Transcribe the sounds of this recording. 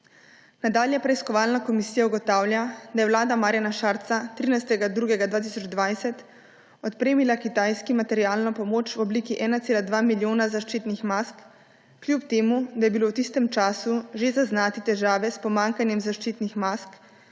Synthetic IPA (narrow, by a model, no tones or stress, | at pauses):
nad̪aːljɛpɾɛiskɔʋaːlnakɔmisiːjauɡɔt̪aːwlʲjad̪ajɛʋlaːd̪amaːɾjanaʃaɾt̪sat̪ɾiːnajst̪ɛɡad̪ɾuɡɛɡad̪ʋaːt̪̬isɔd͡ʒd̪ʋajsɛt̪ | ɔt̪pɾeːmilakit̪ajskimat̪ɛɾijaːlnɔpɔmoːt͡ʃwɔbliːkiʔɛːnat̪seːlad̪ʋaːmiljoːnazaʃt͡ʃit̪nixmaskː | lʲjupt̪eːmud̪ajɛbilowt̪ist̪ɛmt͡ʃaːsuʒezaznaːt̪it̪ɛʒaːʋɛspɔmaŋkanjɛmzaʃt͡ʃiːt̪nixmask